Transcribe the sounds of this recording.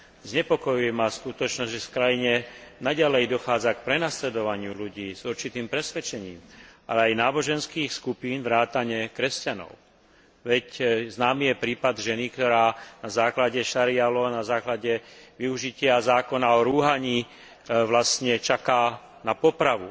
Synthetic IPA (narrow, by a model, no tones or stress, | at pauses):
zɲɛpɔkɔjujɛmaskut̪ɔt͡ʃnɔzɟʒɛfkɾajiɲɛnaɟalɛjd̪ɔxaːd͡zak̚pɾɛnaslɛd̪ɔʋaɲɪuluɟiːzuɾt͡ʃit̪iːmpɾɛsʋɛt͡ʃɛɲiːmʔa̰lɛajnaːbɔʒɛnskiːxskupiːnʋɾaːt̪aɲɛkɾɛscanɔ̰ʊ | ʋɛcznaːmijɛpɾiːpad̪ʒɛnikt̪ɔɾaːnazaːklaɟɛʃaɾɪalɔnazaːklaɟɛʋiuʒicɪazaːkɔnaɔɾuɦaɲiː | ʋlastɲɛt͡ʃakaː | napɔpɾaʋu